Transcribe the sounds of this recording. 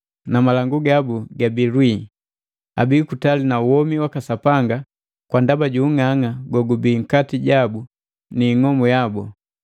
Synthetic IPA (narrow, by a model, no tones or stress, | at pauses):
namalaŋɡuɡabuɡabilwi | a̰bikutalinauwɔmiwakasapaŋɡa | kwandabaɟuːŋaŋaɡɔɡubiŋ̩katiɟabu | niːŋɔmɔjabu